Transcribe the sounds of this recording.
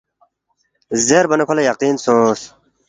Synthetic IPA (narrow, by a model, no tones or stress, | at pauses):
zeɾbɐnekʰolejɐqiːnsoːs